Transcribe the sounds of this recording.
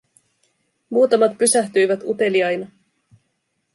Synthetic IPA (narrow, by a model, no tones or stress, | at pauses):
muːt̪ɑmɑt̪pysæht̪yjʋæt̪ut̪e̞liɑjnɑ